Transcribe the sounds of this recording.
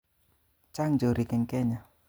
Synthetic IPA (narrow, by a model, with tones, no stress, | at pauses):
t͡ʃa˦ŋd͡ʒo˨ɾi˨kɛ˨ŋkɛ˦ɲa˨